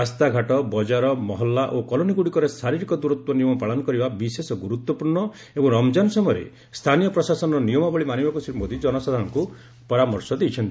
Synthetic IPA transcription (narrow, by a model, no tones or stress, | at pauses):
ast̪aɡʱaʈɔbɔd͡ʒaɾɔmɔɦɔlːaʔokɔloniɡuɽikɔɾesaɾiɾikɔd̪uɾut̪wɔnijɔmɔpaɭɔnɔkɔɾibabisesɔɡuɾut̪wɔpuɾɳɔ | ebɔŋɾɔmd͡ʒansɔmɔjɔɾḛ | st̪ʰanijɔpɾɔsasɔnɔɾɔnijɔmɔbɔɭimanibakusiɾmod̪ʱid͡ʒɔnɔsad̪ʱanɔŋku | pɔɾamɔɾsɔd̪ejt͡ʃʰɔnt̪i